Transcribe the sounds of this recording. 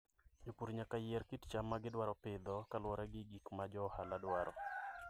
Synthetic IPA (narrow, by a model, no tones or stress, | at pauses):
d͡ʒopuɾɲakajɪɛɾkɪtt͡ʃamːaɡɪdwaɾɔpɪd̪ɔkalwɔɾɛɡɪɡikmad͡ʒɔhaladwaɾʔɔ̰